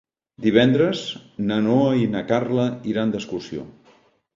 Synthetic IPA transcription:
d̪iβ̞ɛnd̪ɾəznənoəinəkarləiɾand̪əskursio̰

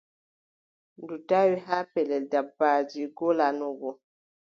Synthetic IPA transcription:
n̩dutawiɦapɛlɛldabad͡ʒiɡolanuɡɔ

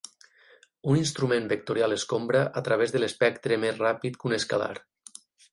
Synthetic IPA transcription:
uninst̪ɾumẽmbek̚t̪uɾjalˠeskombɾaʔat̪ɾaβ̞ezðəlespɛkt̪ɾemezrapit̪kuneskala̰ɾ

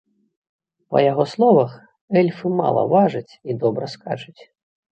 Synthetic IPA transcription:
pɐ̰jaɣɔslˠɔvɐx | ɛlʲfɨma̰lˠɐ̰vaʐɨt͡sʲid̪ɔbɾɐska̰t͡ʂɨt͡sʲ

